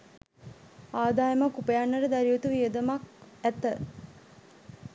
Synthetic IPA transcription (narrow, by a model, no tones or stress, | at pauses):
aːd̪aːjəmakupəjanːəɾəd̪aɾiʋot̪uʋiəd̪əmakæt̪ə